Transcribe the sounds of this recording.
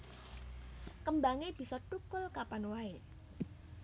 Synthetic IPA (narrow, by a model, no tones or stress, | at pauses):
kəmbaŋeb̥i̤sɔʈukʊlkapanwae